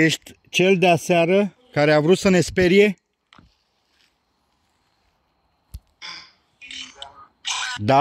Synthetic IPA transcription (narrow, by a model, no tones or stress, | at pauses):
eʃt̪ʲ | t͡ʃe̞ld̪easeaɾə | kaɾeavɾut̪səne̞spe̞ɾije̞ | d̪a